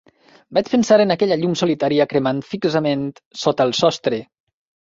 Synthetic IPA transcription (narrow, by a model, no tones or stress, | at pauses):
bat͡ʃpənsaɾənəkɛʎəʎumsulit̪aɾiəkɾəmant̪fikzəment̪sot̪əlˠsɔst̪ɾe